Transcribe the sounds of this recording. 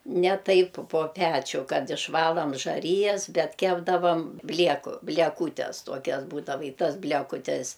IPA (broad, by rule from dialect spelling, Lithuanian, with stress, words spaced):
ˈnʲɛ ˈtɐɪp poː ˈpʲæːt͡ʃʲʊ ˈkɐt ɪʃˈʋɑːlˠɐm ʒɐˈrʲiːjɛs ˈbʲɛt ˈkʲæːbdɐʋɐm ˈbʲlʲiɛkʊ bʲlʲiɛˈkuːtʲɛs ˈtuɔkʲɛs ˈbuːdɐʋɐ ɪ ˈtɐs bʲlʲɛkʊˈtʲɛs